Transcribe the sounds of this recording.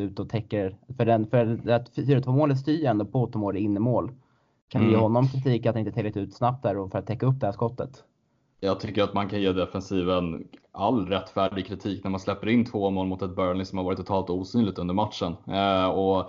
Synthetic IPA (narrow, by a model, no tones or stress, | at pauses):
ʉ̟ːt̪ɔt̪ʰɛkːəɾfœɖɛnfœɾd̪ɛæffyːɾat̪ʰvoːmoːlət̪st̪yːɾɛnd̪ɔːpʰoːt̪əmoːɾɪnːəmoːl | kʰanvɪjeːɦɔnːɔmkʰɾɪt̪ʰiːkat̪d̪ɛɪnt̪ʰɛlɪt̪ʉ̟ːt̪snap̚t̪d̪æːɾɔfœɾat̪ʰːɛkːaɵp̚d̪ɛhæʂkɔt̪ːə̰t̪ | jɑːɡ̚t̪ʰʏkːəɾat̪mankʰanjeːd̪ɛfɛnsiːvənalːɾɛt̪ːfæːɖɪɡ̚kʰɾɪt̪ʰiːknæɾmanslɛpːəɾɪnt̪ʰvoːmoːlmʊt̪ɛt̪̚bœːɳɪsɔmhavɑːɾɪt̪ʰːʊt̪ʰɑːlt̪uːsyːnlɪɡ̚t̪ɵnd̪əɾmat̪ʂənɔ